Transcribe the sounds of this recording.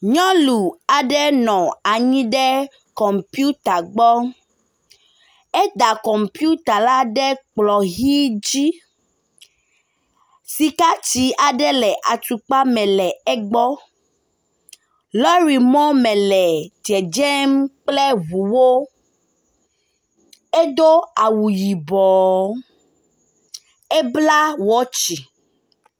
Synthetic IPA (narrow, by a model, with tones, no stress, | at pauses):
ɲɔ̃˦lu˨a˨ɖɛ˦nɔ̃˨a˨ɲĩ˦ɖɛ˦ | kɔ˨mpi˦u˦t̪a˨ɡ͡bɔ˦ | ɛ˦d̪a˨kɔ˨mpu˦t̪a˨la˦ɖɛ˦k͡plɔ˨ɣi˦d͡ʑi˦ | si˨ka˦t͡ʃi˦a˨ɖɛ˦lɛ˨ʔa˨t͡ʃu˨k͡pa˦mɛ̃˨lɛ˨ɛ˦ɡ͡bɔ˦ | lɔ˦ɾi˨mɔ̃˦mɛ̃˨lɛ˨d͡ʒɛ˨d͡ʒɛ˦mk͡plɛ˦vu˨wo˦ | e˦d̪o˦a˨wu˨ji˨bɔ˨ | e˦bla˦wɔ˦t͡ʃi˨